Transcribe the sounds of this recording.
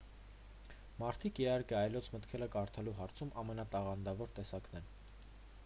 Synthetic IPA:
mɑɾt̪ʰikiɦɑɾkɛɑjlɔt͡sʰmət̪kʰɛləkɑɾt̪ʰɑluɦɑɾt͡sʰumʔɑmɛnɑt̪ɑʁɑnd̪ɑvɔɾt̪ɛsɑknɛn

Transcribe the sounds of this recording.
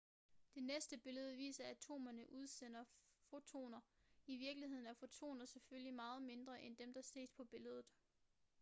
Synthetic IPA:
d̥e̝nesd̥əb̥e̝ləð̞̩ˠʋḭːsɐæt͡sʰo̝̰ːmɐnəʔuð̞ˠsen̰ɐfo̝t͡sʰo̝̰ːnɐiʋiɐɡ̥lihe̝ð̰ˠnæɐfo̝t͡sʰo̝̰ːnɐseføljimɑ̈ːð̞̩ˠme̝nd̥ʁɐʔend̥emd̥ɑ̈se̝̰ːspʰɒ̽b̥e̝ləð̞ˠð̩ˠ

